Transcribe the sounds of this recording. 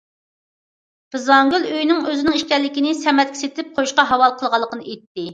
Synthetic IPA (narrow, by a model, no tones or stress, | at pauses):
b̥ɨzɑŋɡʲyløjnɪŋøzɪnɪŋiʃkʲɛɾlːɪkʲinɪsɛmɛt̪̚kʲi̥set̪ʰɪp̚qʰojuʃqɑɦɑwɑlˠqʰəlˠʁɑlˠːəqənɨʔet̪ːɪ